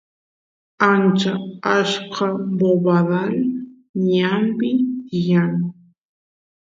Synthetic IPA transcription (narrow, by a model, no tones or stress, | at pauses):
ant͡ʃaaʃqɑboβaðal | ɲampɪjaŋ